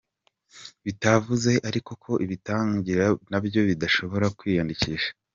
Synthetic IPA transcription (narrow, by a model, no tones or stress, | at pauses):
βitavuze̞ʔaɾiko̞kʰo̞ʔiβitaːɲɟiɾanabjo̞βidaʃo̞βo̞ɾakwiːjandiciʃḁ